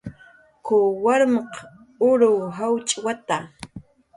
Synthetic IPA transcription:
kʊwaɾmɑq | ʊɾʊɦawt͡ʃʼwat̪a

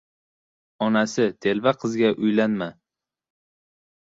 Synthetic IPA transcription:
ɒnasɪt̪ʰe̞lvaqʰɨzɡʲaʔʊjlanma

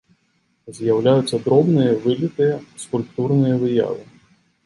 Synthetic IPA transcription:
zjɐwlʲajʊt͡sʲːɐd̪ɾɔbnɪjɛʋɪlʲit̪ɪskʊlʲp̚t̪urnɪjɛʋɪja̰lɪ

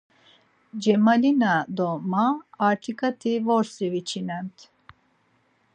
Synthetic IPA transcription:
d͡ʒɛmalinad̪ɔmaːɾʈʰikat̪ʰivɔɾsivit͡ʃʰinant̪

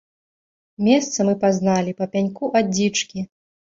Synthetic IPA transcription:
mʲɛst̪sɐmɨpaznalʲipɐpʲanʲkuʔait͡ʂkʲi

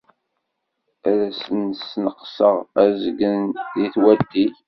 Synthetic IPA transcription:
æðæsənsnəqsəʁæzəɡənðiθwæt̪ːiç

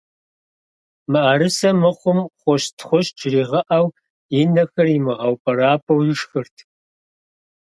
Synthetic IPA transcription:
mɨʔaɾɨsɐmɨχʷʊmχʷɔɕtʰχʷɔʃʈ͡ʂʰɪriːʁɐʔɐw | inɐxɐrimɨʁɑwpʰɐɾaːpʰɐwjɪʂxɨrtʰ

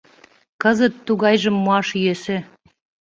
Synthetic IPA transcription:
kɤzə̆t̪ːuɣɑjʒə̆mːoɑʃjøsĕ

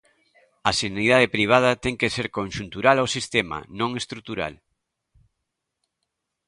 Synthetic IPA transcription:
ɐsenaniðað̞epɾiβ̞að̞ɐt̪ɛŋkeseɾkõnʃunt̪uɾalawsist̪ema̰nõŋest̪ɾut̪uɾa̰l

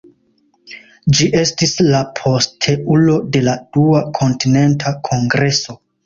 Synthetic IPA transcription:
d͡ʒiʔe̞stislapʰo̞stʰe̞ʔulo̞de̞lad̥uakʰo̞ntine̞ntʰakʰo̞ŋɡɾe̞so̞

